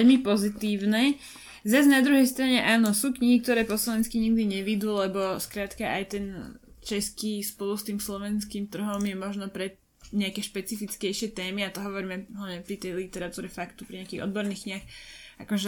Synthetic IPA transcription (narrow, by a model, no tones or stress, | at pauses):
ɛʎmipɔzit̪iːʊnɛ | zaznad̪ɾuɦɛjst̪ɾaɲɛʔaːnɔsuːkɲiɦik̚t̪ɔɾɛːpɔslɔʋɛnskiɲiɡd̪iɲɛʋid̪ulɛbɔskɾaːt̪kaʔajt̪ɛnt͡ʃɛskiːspɔlust̪iːmslɔʋɛnskiːmt̪r̩ɦɔmjɛmɔʒnɔpɾɛ | ɲɛakɛːʃpɛt͡sifit͡skɛjʃɪɛt̪ɛːmiat̪ɔɦɔʋɔɾiːmɛɦlaʋɲɛpɾit̪ɛjlit̪ɛɾat̪uːɾɛfakt̪u̥pɾiɲɛakiːɣɔ̰d̪bɔɾniːxkɲiaxakɔʒɛ